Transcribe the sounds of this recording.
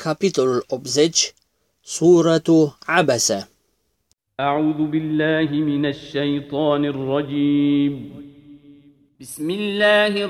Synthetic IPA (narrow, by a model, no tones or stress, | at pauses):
kʰapɪt̪allʔobzɪd͡ʒ | sˤuːɾˤɑtʕabasa | ʔaʕuːðʊbɪlːaːɦɪmɪnaʃːajt̪ˤɑːnɪrˤːɑd͡ʒiːm | bɪsmɪlːaːhɪ